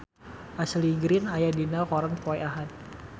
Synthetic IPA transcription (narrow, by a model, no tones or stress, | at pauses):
ʔasliɡɾɪnajadinakɔɾənpɔɛaɦat̪̚